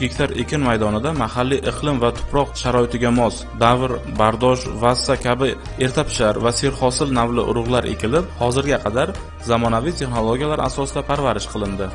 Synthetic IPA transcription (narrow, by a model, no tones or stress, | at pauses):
ɡʲekʲt̪ʰaɾekʲʰɪnmajd̪ɒnɪd̪amahalːiʔɨqlˠɪmvat̪ʰʊ̥pʰɾɒqʃaɾɒɪt̪ʰɪɡʲamɒsd̪avɾbaɾd̪ɒʃvasakʲʰabɪ | e̞ɾt̪ʰapʰɪ̥ʃaɾvase̞ɾχɒsɪlnavlɪʔʊ̰ɾʊʁlˠaɾe̞̰kʲɪlɪphɒzɪɾɡʲaqʰɑd̪aɾ | zamɒnavijt̪ʰe̞χnolˠoɡʲijalaɾa̰sɒsɪd̪apʰaɾvaɾɪʃqʰɨlˠɪnd̪ɪ